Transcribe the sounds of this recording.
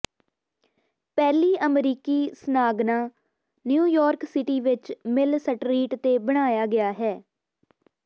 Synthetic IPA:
pɛːliːʔəmɾiːkiːsənaːɡnãː | njuːjɔːɾksɪʈiːʋɪt͡ʃmɪlsəʈɾiːʈt̪eːbəɽ̃aːjaːɡɪaːɦɛː

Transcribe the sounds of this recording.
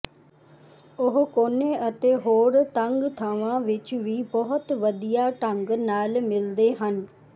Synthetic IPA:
ʊɦkoːneːʔət̪eːɦoːɾt̪əŋɡt̪ʰaːʋãːʋɪt͡ʃʋiːbəɦʊt̪ʋəd̪ijaːʈəŋɡnaːlmɪld̪eːɦən

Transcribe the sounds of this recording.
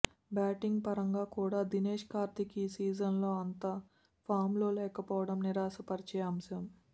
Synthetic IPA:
baːʈiŋɡpɐɾɐŋɡaːkuːɽaːd̪ineːʂkaːɾt̪ikiːsiːd͡ʒɐnlo̞ːɐnt̪a | pʰaːɾmlo̞ːlɛːkɐpɔːʋɐɽɐmniɾaːsɐpɐɾit͡ʃɛjɐmʃɐm

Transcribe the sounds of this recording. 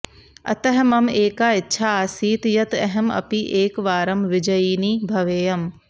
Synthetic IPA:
ɐ̰t̪ɐɦmɐmeːkaːɪtːʃʰaːsiːt̪jɐt̪ɐɦɐmɐ̰piʔeːkʋaːɾɐmʋɪd͡ʒɐjiːniːbʱɐʋeːjɐm

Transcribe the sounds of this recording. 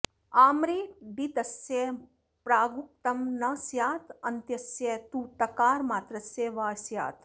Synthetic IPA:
aːmɾiːbit̪ɐsje | pɾaːɡuk̚t̪ɐmnɐsjaːt̪ɐnt̪jɐsjet̪uːt̪ɐkaːɾmaːt̪ɾɐsjeːʋaːsja̰ːt̪

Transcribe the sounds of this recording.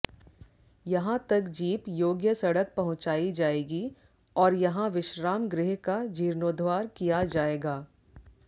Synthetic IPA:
jɐɦãt̪ɐkd͡ʒiːpjoːɡjəsɐɽək̚pɐɦʊ̃t͡ʃaːid͡ʒaːeːɡi | ɔːɾjɐɦãʋɪʃɾaːmɡɾɪɦkad͡ʒiːɾnoːd̪ʱʋaːɾkijad͡ʒaːeːɡaː

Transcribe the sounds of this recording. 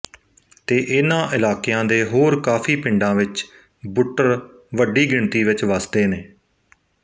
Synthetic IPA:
t̪eːʔɪnãːʔɪlaːkɪjãːd̪eːɦoːɾkaːfʰiːpɪɳɖãːʋɪt͡ʃ | bʊʈːəɾ | ʋəɖiːɡɪɳt̪iːʋɪt͡ʃʋəsd̪eːneː

